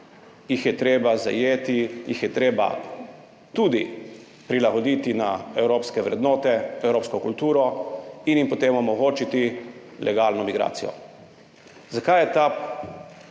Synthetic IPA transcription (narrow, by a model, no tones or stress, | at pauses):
jixjɛt̪ɾeːbaza̰jeːt̪ijixjɛt̪ɾeːba̰ | t̪uːd̪i | pɾilaɡɔd̪it̪inaɛwɾoːpskɛʋɾɛ̰d̪noːt̪ɛɛwɾoːpskɔkult̪uːɾɔinjimpɔt̪eːmɔmɔɡoːt͡ʃit̪ilʔɛ̰ɡaːlnɔmiɡɾa̰ːt̪sijɔ̰ | zakajɛt̪a